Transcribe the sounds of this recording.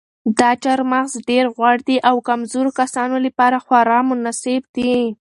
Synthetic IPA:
d̪ɑt͡ʃaɾmaɣzɖeɾɣwaɽd̪iʔawkamzoɾokasɑnolapɑɾaxwɑɾɑmʊnaseb̚d̪i

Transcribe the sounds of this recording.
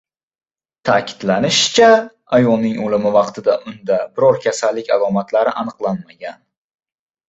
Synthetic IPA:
t̪ʰaːkʲʰɪ̥d̪lanɪʃt͡ʃʰa | ajɒlˠnɪŋolɪmɪvɑqt̪ʰɪd̪aʔʊnd̪abɪɾɒɾkʲʰasalːɪkʲalˠɒmat̪ʰlaɾɪʔanɨqlˠanmaɡʲan

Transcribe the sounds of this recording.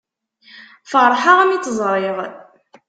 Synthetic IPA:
fəɾˤħaʁæmit͡sːzˤɾˤɪʁ

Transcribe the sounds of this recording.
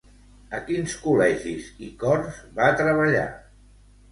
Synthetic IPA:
əkinskulɛʒizikɔrzβat̪ɾəβ̞əʎa̰

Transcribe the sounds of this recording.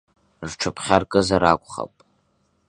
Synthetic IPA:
rʈ͡ʂʰɨpʰχʲarkʼɨzaɾa̰kʷʼχa̰pʼ

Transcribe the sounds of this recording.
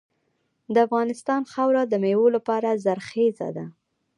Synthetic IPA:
d̪əafɣɑnɪst̪ɑnxawɾad̪əmewolapɑɾazaɾxeza̰d̪a

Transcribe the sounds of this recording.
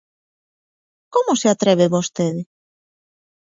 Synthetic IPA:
komʊseat̪ɾeβ̞eβost̪eðɪ

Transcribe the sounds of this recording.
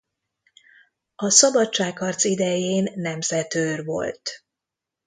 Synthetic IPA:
ɒsɒbɒt̪t͡ʃaːkhɒrt̪sid̪ɛjeːnːɛmzɛt̪øːrʋo̞̰lt̪

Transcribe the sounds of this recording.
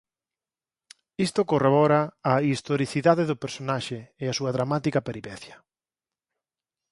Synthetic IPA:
ist̪ʊkoreβɔɾaːist̪oɾiθiðaðeðʊpeɾsonaʃeːasuɐðɾamat̪ikɐpeɾipɛθjɐ

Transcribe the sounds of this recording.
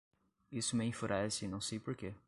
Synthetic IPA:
isʊmɪĩfuɾɛsɪnɐ̃w̃sejpoɾke

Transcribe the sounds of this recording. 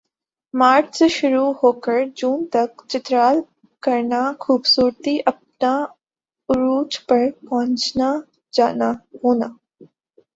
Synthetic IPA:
maːɾʈsʃʊɾuhoːkəɾd͡ʒuːnt̪ɐkt͡ʃɪt̪ɾaːl | kɐɾnaxuːbsuːɾt̪iʔɐp̚na | ʊɾuːt͡ʃpɐɾpɐɦə̃ɲt͡ʃna | d͡ʒaːnaɦoːnaː

